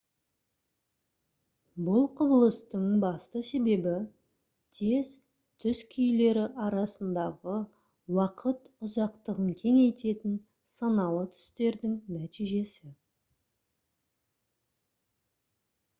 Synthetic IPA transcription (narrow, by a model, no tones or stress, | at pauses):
bʊlˠqʰʊbəlˠəst̪əɴbɑst̪əse̞be̞bɪ | t̪ʰe̞z | t̪ʰʏzkʲʰʏjle̞ɾɪʔɑɾɑsənd̪ɑʁə | wɑqʰət̪ʊzɑqt̪əʁənt̪ʲʰe̞ŋejt̪e̞t̪ɪn | sɑnɑlˠət̪ʰʏ̥st̪e̞ɾd̪ɪŋnæt̪iʒe̞sɪ